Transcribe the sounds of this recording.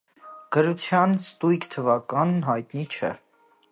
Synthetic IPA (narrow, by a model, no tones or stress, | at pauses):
ɡ̥əɾut͡sʰjɑnst̪ujkt̪ʰəvɑkɑnɦɑjt̪nit͡ʃʰɛ̰